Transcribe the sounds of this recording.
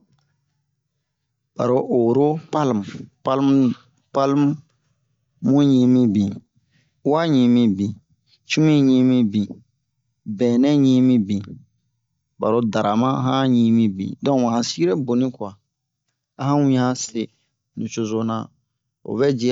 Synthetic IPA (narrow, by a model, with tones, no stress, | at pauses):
b̥a̰˨ɾo˦ʔo˨ɾo˦pa˦lm˨pa˦lm | pa˦lm˦ | mũ˦ɲĩ˦mĩ˦bĩ˨ | u˦a˦ɲĩ˨mĩ˦bĩ˨ | t͡ʃu˦mĩ˦ɲĩ˦mĩ˦bĩ˨ | bɛ̃ː˨nɛ̃˦ɲĩ˦mĩ˦bĩ˨ | ba̰˨ɾo˦da˨ɾa˨mã˦ɦã˦ɲĩ˦mĩ˦bḭ̃˨dɔ̃˦mã˨hã˨si˦ɡi˦ɾɛ˦bo˨nĩ˦kwa˨ | a˦hã˦wĩ˦hã˦se˨ | nĩ˨t͡ʃo˨zo˨nã̰˨ | o̰˨bɛ˦d͡ʒi˦